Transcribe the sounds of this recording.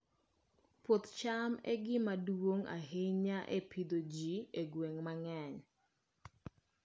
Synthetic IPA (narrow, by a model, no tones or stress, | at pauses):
pot̪t͡ʃamɛ̰ɡɪmadwoŋa̰ɦeɲaʔepʰid̪od͡ʒieɡweŋmaŋɛɲ